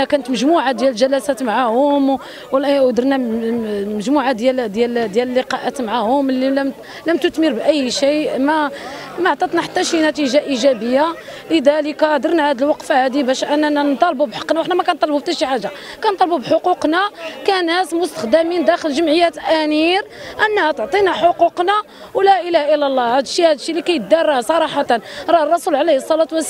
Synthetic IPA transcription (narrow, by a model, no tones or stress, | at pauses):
ækænət̪məʒmuʕad̪jæləʒælæsæt̪maʕahʊm | wd̪əɾˤnæ | məʒmuʕad̪jæld̪jæld̪jæləlːeqɑʔæt̪maʕahʊmlilm | ləmt̪ʊt̪məɾbʔəjːʃimæ | mæʕt̪ˤɑt̪ˤnaħḁt̪ːæʃinæt̪iʒaʔiʒæbəjːaləd̪æləkæd̪əɾˤnæhæd̪əlwɑqfhæd̪ibæʃʔənːænænt̪ˤɑlbubħɑ̥qːnawəħnæmækænt̪ˤɑlbubt̪æʃiħaʒːa | kænt̪ˤɑlbubħoquqnækænæsmʊst̪ə̥xd̪æmind̪æxəlʒəmʕəjːæt̪ʔæniɾʔənːæhæt̪ʕt̪ˤinaħoquqna | wlæʔəlæhʔəlːælˤːɑhæd̪ʃːihæd̪ʃːilikæjət̪̚d̪ɑrˤːɑsˤɑɾˤɑħɑt̪ənɾˤɑrˤːɑsulʕlæhsˤːɑlɑt̪wæs